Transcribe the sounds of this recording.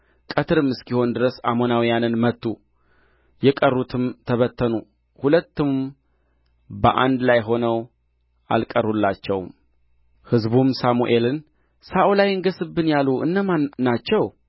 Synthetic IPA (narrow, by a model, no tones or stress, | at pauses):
kʼət̪ʰɨɾɨmːɨskiho̞nd̪ɨɾəsa̰mo̞nawjanɨnmət̪ːu | jɛkʼərːut̪ʰɨmt̪ʰəβət̪ʰːənu | hulət̪ːɨm | bə̰ʔa̰nd̪lajɦo̞nəw | ʔa̰lkʼərulːat͡ʃːɛwm | hɨzbumsamuʔe̞lɨn | saʔulajɨŋɡəsɨbːɨnjaluʔɨ̰nːəmanat͡ʃːɛw